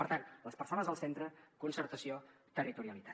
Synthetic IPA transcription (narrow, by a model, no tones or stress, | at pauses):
əɾt̪anləspəɾsonəzðəlˠsent̪ɾəkunsəɾt̪əsio | t̪ərit̪uɾiəlit̪a